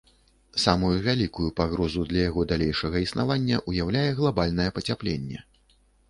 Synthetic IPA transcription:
samujuvʲalʲikujupaɣɾɔzud̪lʲɐjaɣɔd̪alʲejʂɐɣɐisnavanʲːɐ̰ʔujawlʲajɛɣlˠabalʲn̪ɐjɛpɐt͡sʲaplʲenʲːɛ̰

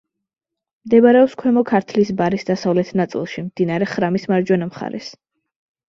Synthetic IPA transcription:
md̪ɛbaɾɛɔpskʰwɛmɔkʰaɾt̪ʰlisbaɾisd̪asavlɛt̪ʰnat̪sʼḭlˠʃimd̪̥inaɾɛχɾamismaɾd͡ʒwɛnamχa̰ɾɛ̰s

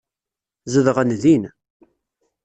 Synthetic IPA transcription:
zəðəʁənðin

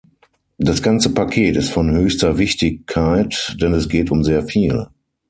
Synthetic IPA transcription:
d̥asɡ̥ant͡səpakʰeːtɪstfɔnhøːçstɐvɪçtɪçkʰːaɪtd̥ɛnɛsɡ̥eːtʊmzeːɐfiːl

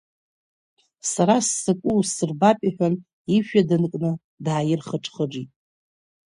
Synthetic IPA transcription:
saɾasːɨkʷʼusɨrbapʼaħᶣan | iʃᶣadɨnkʼnɨ | dʕajɪrχəʈ͡ʂʰʼχəʈ͡ʂitʼ

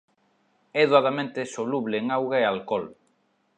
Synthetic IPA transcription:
ɛðuaðamẽnt̪esoluβleːŋawɣaealkɔl

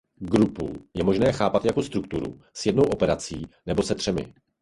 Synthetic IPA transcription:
ɡɾupṵjɛmo̞ʒnɛːxaːpat̪jako̞st̪ɾukt̪uɾṵ | sjɛdno̞wʔo̞pɛɾat͡siːnɛbo̞sɛt̪r̥ɛmɪ̰

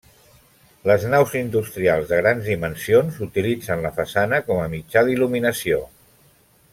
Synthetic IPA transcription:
ləznawzind̪ust̪ɾialˠzðəɣɾanzðimənsionzut̪ilid͡zənləfəsanəkɔməmid͡ʒaðiluminəsio

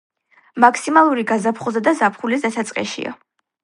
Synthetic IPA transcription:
makʰsimalˠuɾiɡazapʰχɔzad̪azapʰχulizasat̪sʼqʼɛ̰ʃḭa̰

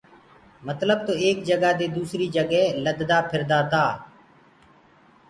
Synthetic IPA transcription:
mət̪ləb̚t̪oːeːkd͡ʒəɡaːd̪eːd̪uːsɾiːd͡ʒəɡɛːləd̪d̪aːpʰɪɾd̪aːt̪aː

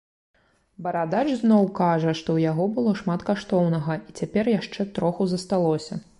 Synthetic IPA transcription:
bɐɾad̪at͡ʂznɔwkaʐɐʂt̪ɔwjaɣɔbɨlˠɔʂmat̪kaʂt̪ɔwnɐɣɐʔit͡sʲapʲɛrjaʂt͡ʂɛt̪ɾɔxuzɐst̪alˠɔsʲɐ

